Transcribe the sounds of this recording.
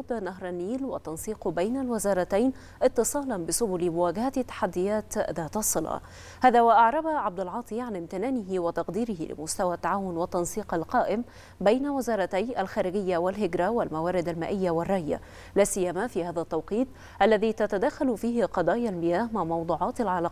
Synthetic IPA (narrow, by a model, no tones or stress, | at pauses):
ɑd̪naɦɾˤɑnːiːlwat̪ːɑnsˤiːqbajnalwɪzɑːɾˤɑt̪ajn | ʔɪt̪ːɨsˤɑːlɑnbɪsʊbʊlmʊwaːɡahat̪ːḁħad̪ːɪjaːt̪ðaːt̪ɑsˤːɨlɑ̰ʕ | haːðaːwaʔaʕɾˤɑbaʕab̚d̪alʕɑːt̪ˤiʕanɪmt̪ɪnaːnɪɦɪwɪt̪ɑqd̪iːɾɪhɪ̰lɪ̰mʊst̪awat̪ːaʕaːwʊnwɪt̪ːɑnsˤiːqalqɑːʔɪm | bajnawɪzɑːɾˤɑt̪ajʔalxaːɾɪɡɪjːawɪlɦɪɡɾawɪlmawaːɾɪd̪alma̰ːʔɪjːawɪrˤːɑːja̰ | laːsɪjːamafiːhaːðat̪ːɑwqiːt̪̚ˤ | ʔalːaðit̪at̪ad̪axalfiːhɪqɑd̪ˤɑːjalmɪjaːhmaʕmɑwd̪ˤuːʕɑːt̪alʕɑlɑː